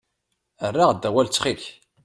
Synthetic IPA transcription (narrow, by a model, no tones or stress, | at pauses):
ərːaʁd̪ːæwælt͡sːχiç